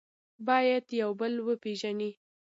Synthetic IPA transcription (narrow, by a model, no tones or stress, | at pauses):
bɑjad̪jawbəlwəpeʒani